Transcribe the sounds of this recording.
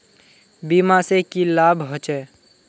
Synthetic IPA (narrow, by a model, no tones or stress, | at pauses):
bimasekilaːbɦɔt͡ʃɛː